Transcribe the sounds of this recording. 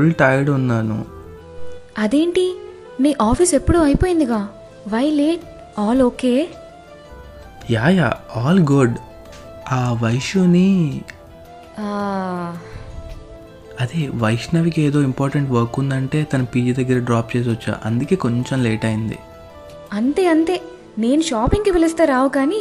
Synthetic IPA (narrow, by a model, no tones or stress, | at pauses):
ulʈɐːjɽunːaːnṵ | ɐd̪eːɳʈi | miːʔaːpʰisepːuɽuːɐjpoːjind̪iɡaː | ʋɐjleːʈ̚ | aːloːke̞ː | jaːjaːaːlɡuɖ | aːʋɐjʂuːni | aː | ɐd̪eʋɐjʂnɐʋikieːd̪o̞ːimpaːɾʈɐɳʈʋɐɾkːund̪ɐɳʈe̞ːt̪ɐnɐpiːd͡ʒiːd̪ɐɡːɐɾɐɖɾaːpt͡ʃe̞ːs̬ʋɐt͡ʃːa̰ːʔɐnd̪uke̞ːko̞ɲt͡ʃemleːʈɐjind̪ḭ | ɐnt̪e̞ːɐnt̪e̞ː | ne̞ːnuʃaːpiŋkiʋelist̪aːɾaːʋukaːni